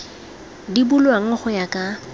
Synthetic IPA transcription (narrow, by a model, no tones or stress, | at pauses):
dibulwaŋ̩χʊjakʼa